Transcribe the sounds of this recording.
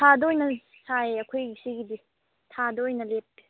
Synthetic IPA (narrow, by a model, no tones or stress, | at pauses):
tʰadojnɐ | saeɐkʰojɡisiɡidi | tʰadoojnɐlep̚ːi